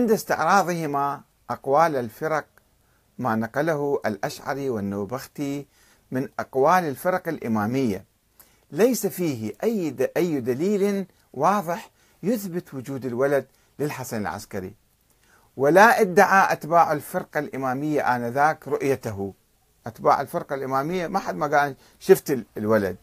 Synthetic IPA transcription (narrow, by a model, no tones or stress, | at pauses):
ʕɪnd̪ast̪ɪʕɾˤɑːðˤɨhɪma | ʔɑqwaːlalfɪɾˤɑq̚ | maːnɑqalahuʔalʔaʃʕɑ̰ɾiwɪnːaːbaxt̪i | mɪnʔɑqwaːlɪlfɪɾˤɑqalʔɪmaːmɪjːa̰ | lajsafiːhɪʔajːʔajːd̪aliːln | wɑːðˤɨħ | jʊθbɪt̪wʊd͡ʒuːd̪ɪlwalad̪ | lɪlħasanɪ̰lʕa̰skaɾḭ | wɪlaʔɪd̪ːaʕaʔat̪baːʕalfɪɾˤqalʔɪmaːmɪjːaʔanaðaːkɾˤʊʔjat̪aɦu | ʔat̪ba̰ːʕɪlfɪɾˤqalʔɪmaːmɪjːamaħad̪maɡaːn | ʃɪft̪ɪlwala̰d̪̚